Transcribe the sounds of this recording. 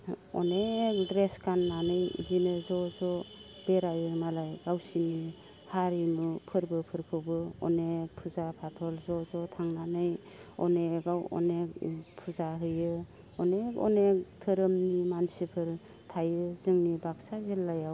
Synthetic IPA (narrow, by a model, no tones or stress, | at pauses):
ɔ̰nek̚dɾeskanːanɯjḭdinɯzɔzɔ | b̥eɾajɯmalajɡawsini | haɾimɯpʰɯɾbɯpʰɯɾkʰɯwbɯɔ̰nek̚pʰuzapʰatʰɔlzɔzɔtʰaŋnanɯj | ɔneɡawɔ̰nek̚pʰuzaɦɯjɯ | ɔnekɔ̰nek̚tʰɯɾɯmnimansipʰɯɾ | tʰajɯzɯŋnibak̚sazelːajaw